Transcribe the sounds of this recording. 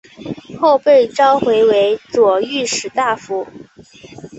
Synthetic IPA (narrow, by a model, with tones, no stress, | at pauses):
xo˥˧ʊpe˥˩ɪʈ͡ʂɑ˥ʊxwe˧˥ɪwe˧˥ɪt͡swɔ˨˩y˥˩ʂɻ̩˨˩t̪a˥˩fu˧˥